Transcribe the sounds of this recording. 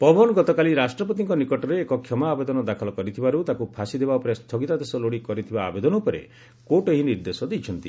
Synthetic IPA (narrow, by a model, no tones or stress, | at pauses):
pɔbɔnɡɔt̪ɔkaliɾasʈɾɔpɔt̪iŋkɔnikɔʈɔɾeːkɔkʰjɔmaːbed̪ɔnɔd̪akʰɔlɔkɔɾit̪ʰibaɾut̪akupʰasid̪ebaupɔɾest̪ʰɔɡit̪ad̪esɔloɽikɔɾit̪ʰiba̰ːbed̪ɔnɔupɔɾḛ | koʈeɦiniɾd̪esɔd̪ejt͡ʃʰɔnt̪i